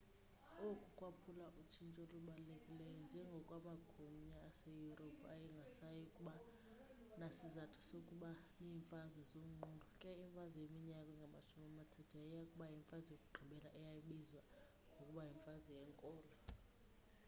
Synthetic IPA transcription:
okʼukʼwapʰulaʔut͡ʃʰint͡ʃʼoluɓalekʼilɛjɔnd͡ʒʱɛŋɡʱɔkʼwamaɡ̥ʱumɲaːsejuropʰajiŋɡʱasajikʼuɓa | nasizatʰu̥sokʼuɓa | niːɱfazizomundʱɔkʼɛiɱfazɔjemiɲakʼɛŋɡʱamaʃumiamatʰɛtʰajijakʼuɓajiɱfʼazɔjokʼuɡ͡ǃʱiɓɛlaʔɛjajiɓizwa | ŋɡʱokʼuɓajiɱfazijɛŋkʼɔːlɔ

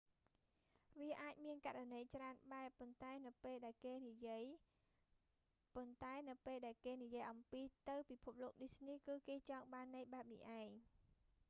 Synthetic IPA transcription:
ʋiəʔaːc̚miənkaranəjt͡ɕraənɓaɛpont̪aɛnɨwpeːlɗaɛlkeːnijiəj | pont̪aɛnɨwpeːlɗaɛlkeːnijiəjʔɑmpiːt̪ɨwpipʰup̚loːk̚ɗisniːkɨːkeːt͡ɕɑːŋɓaːnːəjɓaɛp̚nḭʔaɛŋ

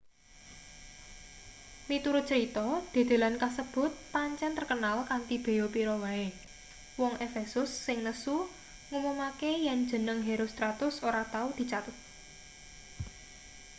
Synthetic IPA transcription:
lit̪uɾʊt̪̚t͡ʃəɾit̪ɔd̪̥e̤d̪̥e̤lankasəb̥ʊ̤t̪̚paɲt͡ʃɛnt̪ərkənalkant̪ib̥e̤opiɾɔwae | wɔŋʔefesʊsːɪŋnəsu | ŋumumakejɛnd̥d͡ʒ̥ə̤nəŋɦeɾʊst̪ɾat̪ʊsoɾat̪aud̪̥i̤t͡ʃat̪ət̪̚

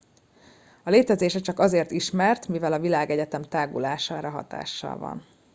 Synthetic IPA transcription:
ɒleːt̪ɛzeːʃɛt͡ʃɒkɒzeːrt̪iʃmɛrt̪mivɛlɒvilaːɡɛɟɛt̪ɛmt̪aːɡulaːʃaːɾɒɦɒ̰t̪a̰ːʃːɒ̰lvɒ̰n

